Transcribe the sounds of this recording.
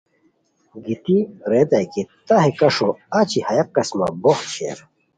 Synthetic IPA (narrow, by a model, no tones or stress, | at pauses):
ɡit̪iɾed̪ajkit̪aɦekɐʂoat͡ɕihɐjɐk̚ːɐsma̰boxɕʰḛːɾ